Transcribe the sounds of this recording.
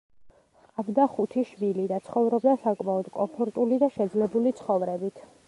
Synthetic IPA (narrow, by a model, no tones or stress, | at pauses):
avd̪aχut̪ʰiʃvilid̪at̪sʰχɔvɾɔbd̪asakʼmaɔd̪kʼɔmpʰɔɾt̪ʼulid̪aʃɛd̪zlɛbulit̪sʰχɔvɾɛbit̪ʰ